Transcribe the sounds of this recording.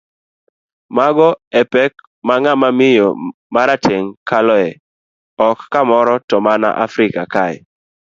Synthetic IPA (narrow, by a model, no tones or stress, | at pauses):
maɡɔɛpɛk | maŋamamɪjɔ̰ | maɾatʰeŋkalɔɛ | ɔkːamɔɾɔtɔmana̰ʔa̰fɾɪkakajɛ